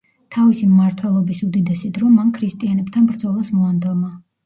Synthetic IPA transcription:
t̪ʰavisimmaɾt̪ʰwɛlˠɔbisud̪id̪ɛsid̪ɾɔmankʰɾist̪ʼianɛbt̪ʰanbɾd̪zɔlˠasmɔand̪ɛma

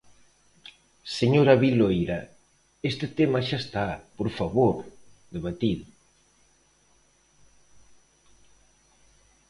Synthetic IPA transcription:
seɲoɾaβilojɾɐ | est̪ɪt̪emaʃast̪apoɾfaβoɾ | ðeβ̞at̪iðʊ

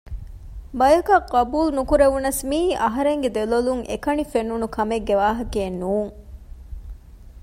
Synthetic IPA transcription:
bɐjɐkɐqːɐbuːlnukuɾeʋunɐsmiːʔɐɦɐɾeŋɡed̪eloluŋʔḛkɐnifenːunukʰɐmeɡːeʋaːɦɐkeːnuːŋ

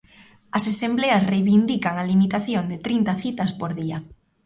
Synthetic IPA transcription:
ɐsesembleasrejβind̪ikaŋalimit̪aθjond̪et̪ɾint̪aθit̪aspoɾðia

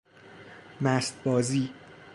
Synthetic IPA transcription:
mæst̪̚bɒːziː

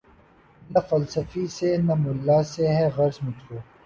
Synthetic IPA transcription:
nɐfɐlsɐfisenɐmʊlːaːseɦɛɣɐɾsmʊt̪ʰkoː

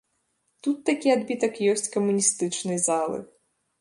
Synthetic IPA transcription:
t̪ut̪ːakʲiad̪bʲit̪ɐkjɔsʲt͡sʲkɐmunʲist̪ɨt͡ʂnɨzalˠɨ̰x

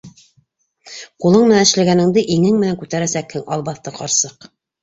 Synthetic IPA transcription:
qulˠɤɴmɘ̆nænɘ̆ʃlæɡænɘ̆ŋd̪ɘʔiŋɘŋmɘ̆næŋkʉt̪æɾæsækhɘŋɑlˠbɑθt̪ɤqɑɾsɤq

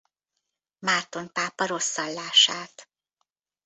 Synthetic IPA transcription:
mart̪o̞npaːpɒɾo̞sːɒlːaːʃaːt̪

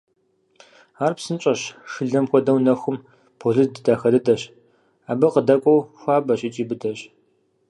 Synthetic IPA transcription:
aːrpsɨnt͡ʃʼɐɕʂɨɮɐmxʷɔdɐwnɐxʷʊm | pʰoɮɨdɨdaːxɐdɨdɐɕ | aːbɐqədɐkʷʼɔwxʷaːbɐɕʼɪt͡ʃʼiːbɨdɐɕ

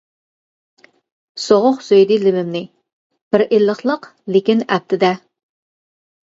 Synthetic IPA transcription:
soʁʊχsøjd̪ɪlɪmɪmnɪ | b̥ɪɾʔelːəχlˠəqlɪkʲinæp̚t̪ʰɪd̪ɛ

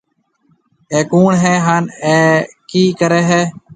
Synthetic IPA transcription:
eːkuːɳɦeːɦaːneːkiːkəɾeːɦeː

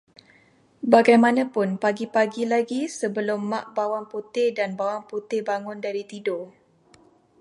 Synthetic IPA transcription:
baɡajmãnãpʊnpaɡipaɡilaɡisəbəlʊmːã̰ʔbawaŋput̪ɪhdanbawaŋput̪ɪbaŋʊndaɾit̪ido

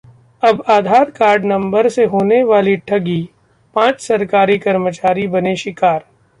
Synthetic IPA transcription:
ɐbaːd̪ʱaːɾkaːɾɖnɐ̃mbəɾseɦoːneʋaːliʈʰɐɡi | pãːt͡ʃsɐɾkaːɾikɐɾmət͡ʃaːɾibɐneʃɪkaːɾ

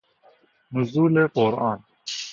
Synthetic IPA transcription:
muzuːleːqoɾɑːn

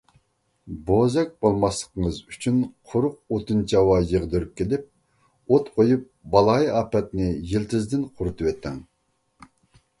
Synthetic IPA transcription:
bozɛk̚ʲbolˠmɑslˠə̥qəŋəzyt͡ʃʰynqʰʊɾʊq̚ot̪ɨnt͡ʃʰɑwɑjəʁd̪øɾyp̚kʲʰelɪp̚ | ot̪qʰojup̚bɑlˠɑjɑːpɛt̪nɪjilt̪ʰɪzd̪ɪnqʰʊɾut̪ɨwɛt̪ʰːɛ̰ŋ

